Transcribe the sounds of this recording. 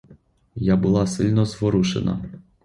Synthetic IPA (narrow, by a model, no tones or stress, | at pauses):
jabulˠasɨlʲnɔzvɔɾuʃɛ̰na̰